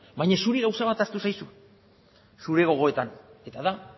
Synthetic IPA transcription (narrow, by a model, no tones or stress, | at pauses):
bajɲasuɾiɣawsaβat̪aɾt̪usajsu | suɾe̞ɣo̞ɣ̞o̞e̞t̪ane̞t̪aða